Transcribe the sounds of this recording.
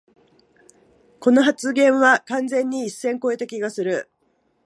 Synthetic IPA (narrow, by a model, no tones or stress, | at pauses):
ko̞no̞ɦat͡sɨɡẽ̞ɰ̃βakãnd͡zẽ̞ɲ̟ːiisːẽ̞ŋko̞e̞t̪akʲiɡasɨɾɯ̟